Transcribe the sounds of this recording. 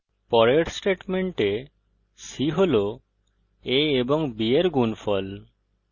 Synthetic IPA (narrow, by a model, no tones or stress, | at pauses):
pɔɾeɾsʈeʈmeɳʈe | siɦolo | eeboŋbieɾɡunfɔl